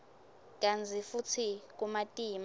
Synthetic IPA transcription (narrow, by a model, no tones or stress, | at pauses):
k̬ʼand͡zʱifut͡sʰik̬ʼumatʼiːma